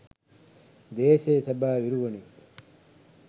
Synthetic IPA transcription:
d̪eːsesɐbaːʋiɾuʋɐni

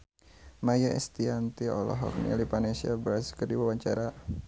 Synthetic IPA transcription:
majaɛst̪iant̪iɔlɔ̰ɦɔ̰k̚nḭlipanesiabəɾaskərdiwawaɲt͡ʃaɾa

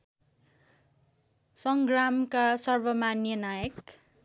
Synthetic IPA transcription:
sʌŋɡramkasʌrbʌmanjʌnajʌk

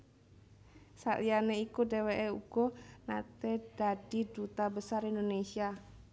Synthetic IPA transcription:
sa̰lianeikuɖeweʔeuɡ̥ɔna̰t̪ed̥aɖ̥i̤d̥ut̪abəsarind̪onesia

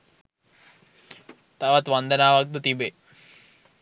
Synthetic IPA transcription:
t̪aːʋat̪ʋand̪ənaːʋak̚d̪ət̪ibe

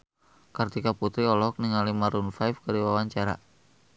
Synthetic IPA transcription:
kart̪ikaput̪ɾiɔlɔɔk̚niŋalimaɾunfajfkaɾiwawaɲt͡ʃaɾa̰

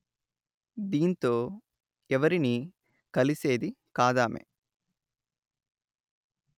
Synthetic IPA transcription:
d̪iːnt̪oː | ɛʋɐɾini | kɐliseːd̪ikaːd̪aːmḛ

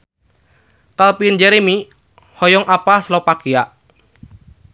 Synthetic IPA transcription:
kalpind͡ʒɛɾemi | hɔjɔŋʔapaslɔpakiaʔ

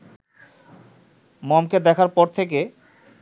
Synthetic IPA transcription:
mɔmked̪ɛkʰaɾpɔɾt̪ʰek̬e

